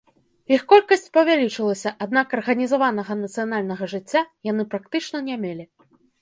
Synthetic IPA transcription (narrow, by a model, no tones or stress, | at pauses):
ixkɔlʲkɐsʲt͡sʲpɐvʲalʲit͡ʂɨlˠɐsʲɐʔad̪nakɐrɣɐnʲizavanɐɣɐnɐt̪sɨjanalʲnɐɣɐʐɨt͡sʲːajanɨpɾak̚t̪ɨt͡ʂnɐnʲamʲelʲi